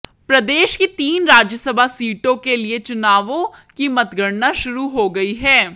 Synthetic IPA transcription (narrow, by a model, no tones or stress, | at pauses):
pɾɐd̪eːʃkit̪iːnɾaːd͡ʒjəsəbʱasiːʈõkeliet͡ʃʊnaːʋõkimɐt̪ɡəɾnaʃʊɾuɦoɡɐiɦɛː